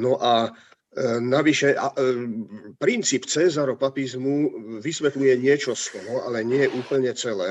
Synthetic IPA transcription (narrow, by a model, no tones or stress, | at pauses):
nɔʔa | naʋiʃɛa̰ | pɾint͡siːpt͡sɛzaɾɔpapizmuʋisʋɛt̪lujɛɲɪɛt͡ʃɔslnɔalɛɲɪɛjɛʔuːpl̩ɲɛt͡sɛlɛː